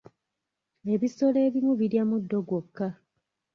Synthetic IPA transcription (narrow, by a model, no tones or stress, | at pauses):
e̞βiso̞le̞ːβimuβiɾjamudːo̞ɡokːa